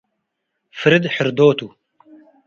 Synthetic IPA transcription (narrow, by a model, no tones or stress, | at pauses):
fɨɾid̪ħɪɾd̪oːt̪u